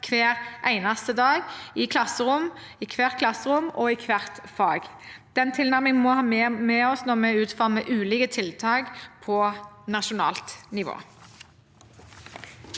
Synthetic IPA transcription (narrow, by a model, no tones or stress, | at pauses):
kʰʋeːʁʔæɪnɑst̪əd̪ɑːɡɪkʰlɑsːəʁʊm | ɪkʰʋæːʁkʰlɑsːəʁʊmɔɪkʰʋæʁt̪fɑːɡd̪̥ɛnt̪ʰɪlnæʁmɪŋmɔhɑːmmɛɔsnɔʁmɛʉːt̪fɑʁməʔʉːliːkət̪ʰɪlt̪ʰɑːɡpʰɔnɑʃʊnɑ̰ːlt̪nɪʋo̰ː